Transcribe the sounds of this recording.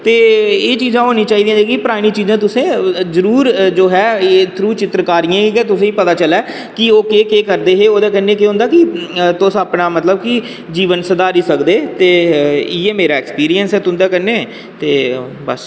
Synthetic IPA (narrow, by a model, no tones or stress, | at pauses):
t̪eːeːt͡ʃiːzãːɦoːnĩːt͡ʃaːid̪ĩãːd͡ʒeːkipəɾaːɽ̃ĩːt͡ʃiːzãːt̪ʊsẽːzəɾuːɾd͡ʒoːɦɛːeːt̪ʰɾuːt͡ʃɪt̪ɾəkaːɾijãːkiːkɛːt̪ʊsẽːiːpət̪aːt͡ʃəlɛː | kɪoːkeːkeːkəɾd̪eːɦeːoːd̪ãːkənːẽːkeːɦʊ̃nd̪aːkɪt̪ʊsaːpnaːmət̪ləb̚kɪ | d͡ʒiːʋənsəd̪aːɾiːsəkd̪eːt̪eːɪjeːmeːɾaːɛkspiːɾijənsɛːt̪ʊ̃nd̪aːkəneː | t̪eː | bəs